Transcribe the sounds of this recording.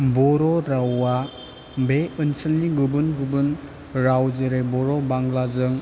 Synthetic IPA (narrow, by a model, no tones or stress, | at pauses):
bɔɾɔɾawːa | beɯnsəlniɡubɯnɡubɯn | ɾawzeɾebɔɾɔbaŋlazɯŋ